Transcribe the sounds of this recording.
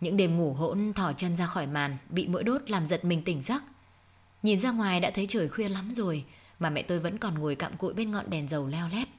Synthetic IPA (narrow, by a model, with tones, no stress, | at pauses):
ɲɨ̰˧˥ŋɗe˨˩mŋu˧˩ɦo̰˧˥nt̪ʰɔ˧˩t͡ɕə˧nzaː˧xɔ˧˩jmaː˨˩nɓḭ˧˨mo̰˧˥jɗo˦˥t̚laː˨˩mzə˨˩t̚mï˨˩ŋ̟t̪ï˧˩ŋ̟sə˦˥k̚ | ɲi˨˩nzaː˧ŋwaː˨˩jɗa̰ː˧˥t̪ʰə˨˦jt͡ɕəː˧˩jxwi˧əla˨˦mzo˨˩j | maː˨˩mɛ̰˧˨t̪o˧jvə̰˧˥nkɔ˨˩nŋu˨˩əjka̰ː˧˨mkṵ˧˨jɓe˧nŋɔ̰˧˨nɗɛ˨˩nzə˨˩wlɛ˧wlɛ˦˥p̚